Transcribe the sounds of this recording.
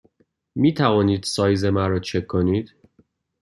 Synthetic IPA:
miːt̪ʰævɒːniːd̪̥sɒːjzemæɾɒːt͡ʃʰekʰːo̞niːd̪̥

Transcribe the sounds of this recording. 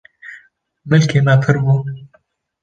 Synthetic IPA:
mɨlkʰeːmɛpʰɨɾbuːn

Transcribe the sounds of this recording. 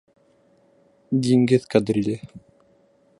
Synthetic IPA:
d̪ʲiŋɡɘðkad̪ɾʲilʲɘ

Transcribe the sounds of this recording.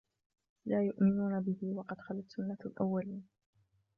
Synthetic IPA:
laːjʊʔmɪnuːnabɪhɪwɑqɑd̪xalat̪sʊnːalʔawːaliːn

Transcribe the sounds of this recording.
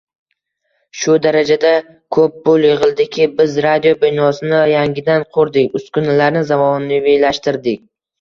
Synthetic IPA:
ʃʊd̪aɾad͡ʒad̪a | kʰɵp̚bolˠjɪʁɨlˠd̪ɪkʲʰɪbɪzɾad̪ijobɪnɒsɪnɪjaŋɡʲɪd̪anqʰoɾd̪ɪkʲʊskʰʊnɪlaɾnɪzamɒnːɪvejlaʃt̪ɪɾd̪ɪkʲ

